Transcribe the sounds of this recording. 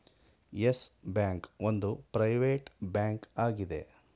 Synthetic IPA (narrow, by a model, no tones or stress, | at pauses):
jesbjaːŋkond̪upɾɐjʋeːʈbjaːŋkaːɡid̪e̞̰